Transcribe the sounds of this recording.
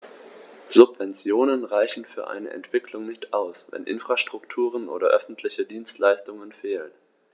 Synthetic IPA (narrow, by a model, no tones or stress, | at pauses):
z̥ʊpv̥ɛnt͡sjoːnənʁaɪçn̩fyːɐʔa̰ɪnə̰ʔɛ̰ntv̥ɪklʊŋnɪçtaʊsvɛ̰nʔɪ̰nfʁ̥aʃtʁ̥ʊktʰuːʁ̞ənʔo̰ːdɐ̰ʔœ̰fn̩tʰlɪçədiːnstlaɪstʊŋənfeːlən